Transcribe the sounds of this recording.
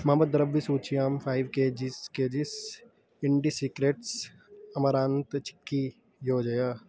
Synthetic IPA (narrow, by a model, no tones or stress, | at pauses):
mɐmɐd̪ɐɾəbbisuːt͡ʃʰiaːmfʰaːɪʋked͡ʒɪsked͡ʒɪs | ɪɳɖisiːkɾeːʈs | ɐmɐɾaːnt̪t͡ʃɪ̥kːi | joːd͡ʒɐjaː